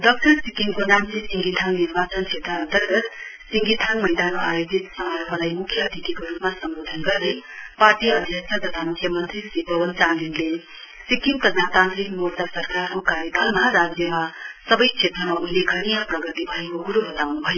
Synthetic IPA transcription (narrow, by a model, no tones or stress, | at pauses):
dʌk̚ʈʌɾsikiŋkonamsesiŋɡit̪ʰaŋniɾbat͡sʌnt͡sʰet̪ɾʌːnt̪ʌrɡʌt̪siŋɡit̪ʰaŋmʌjd̪anajod͡zit̪sʌmaɾbʱʌɾajmukʰjʌd̪ʱit̪ikoɾupmasʌmbod̪ʱʌnɡʌrneparʈiʌd̪ʱjʌk̚t͡sʰʌt̪ʌt̪ʰamukʰjʌmʌnt̪risibʌwʌnt͡sanlinle | sikiŋpɾʌd͡zat̪ant̪ɾikmort̪asʌrkarkokaɾjʌkʌlmaɾad͡zjʌmasʌbʌjt͡sʰet̪rʌmauileɡʱʌɽijaprʌɡʌt̪ibʱʌekoɡuɾuɦʌt̪awnubʱʌjo